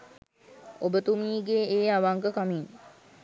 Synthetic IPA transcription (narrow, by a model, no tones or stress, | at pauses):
obət̪umiːɡeeːaʋaŋɡəkamin